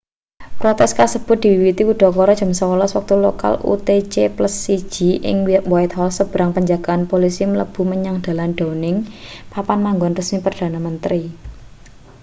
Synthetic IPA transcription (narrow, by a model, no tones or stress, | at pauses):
pɾot̪ɛskasəb̥ʊt̪̚d̪̥i̤wiwit̪ikuɖ̥ɔ̤kɔɾɔ̥ʒ̥ə̤msəwəlɔswak̚t̪uloka̰lṵt̪et͡ʃepləsːid̥ʒ̥i̤ʔɪ̰ŋwiaʔ̪waɪt̪̚hɔlsəb̥ɾaŋpəɲd͡ʒaɡ̥a̤anpolisimələb̥ṳməɲaŋd̪̥a̤lanɖ̥onɪŋpapanmaŋɡɔnrəsmipərd̥a̤namənt̪ɾi